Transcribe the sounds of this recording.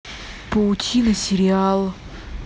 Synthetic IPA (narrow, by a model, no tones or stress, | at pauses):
pəʊtʲʰinəsʲɪɾʲɪalˠ